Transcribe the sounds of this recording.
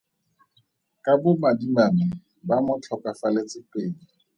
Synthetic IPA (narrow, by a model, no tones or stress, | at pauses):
kʼabʊmadimamɪ | bamʊt͡ɬʰɔkʼafalet͡sʼɪpeːŋ̩